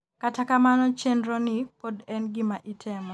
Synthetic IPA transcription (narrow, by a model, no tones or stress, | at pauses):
katakamanɔt͡ʃendɾɔnɪpodɛnɡɪmaʔitʰɛmɔ